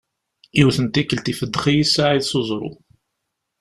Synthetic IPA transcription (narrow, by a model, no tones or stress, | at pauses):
iwθənt̪ikːəlt̪ifəd̪ːχijisaʕiðsozˤɾˤʊ̰